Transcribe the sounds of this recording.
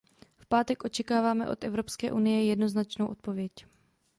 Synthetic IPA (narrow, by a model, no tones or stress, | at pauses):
fpaːt̪ɛkʔo̞t͡ʃɛkaːvaːmɛ̰ʔo̞̰t̪ʔɛvɾo̞pskɛ̰ːʔunɪjɛjɛdno̞znat͡ʃnowʔo̞t̪̚po̞vjɛc